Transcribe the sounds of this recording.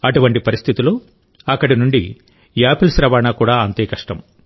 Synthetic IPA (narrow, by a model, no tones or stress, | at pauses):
ɐʈuʋɐɳʈipɐɾist̪ʰit̪ilo̞ː | ɐkːɐɽinuɳɖḭ | jaːpilsɾɐʋaːnaːkuːɽaːɐnt̪eːkɐʂʈɐm